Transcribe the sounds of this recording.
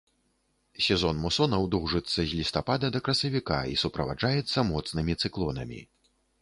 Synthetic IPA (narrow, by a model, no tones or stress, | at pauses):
sʲɛzɔnmusɔnɐwd̪ɔwʐɨt̪sːɐzʲlʲist̪apad̪ɐd̪ɐkɾɐsɐvʲika̰ḭsupɾɐva̰ʐajɛt̪sːɐmɔt̪snɨmʲit̪sɨklˠɔnɐ̰mʲḭ